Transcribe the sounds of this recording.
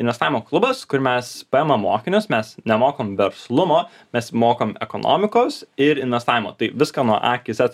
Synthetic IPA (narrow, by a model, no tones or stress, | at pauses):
ɪnʋʲɛst̪ɑːʋʲɪmoːklˠʊbɐskʊɾmʲɛspɐɛːmɐːoːkʲɪnʲʊsmʲɛsnʲɛmoːkoːmʋʲɛɾslˠʊmoː | mʲɛsmoːkomɛ̰koːno̰ːmʲɪkoːsɪɾɪnʋʲɛst̪ɑːʋʲɪmo̰ːt̪ɐɪʋʲɪskɑːnuɔʔɑːkʲɪsʲɛt